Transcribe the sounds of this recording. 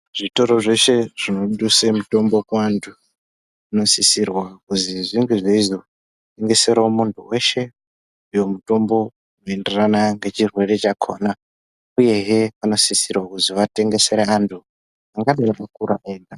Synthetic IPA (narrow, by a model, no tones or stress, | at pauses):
ʐ̥ito̞ɾo̞ʐe̞ʃe̞ʐ̥ino̞ɗusemuto̞mbo̞kantʰu | uno̞sisirwakuziʐiŋɡeʐeizo | teŋɡe̞se̞ɾaomuntʰuwe̞ʃe̞ | ujo̞muto̞mbo̞ | uno̞e̞nderanaŋɡe̞t͡ʃirwe̞re̞t͡ʃakʰo̞ːna | uje̞ɦepano̞sisirwakuziʋate̞ŋɡe̞se̞ɾeantʰu | aŋɡaɗaakuɾaʔeːnɡa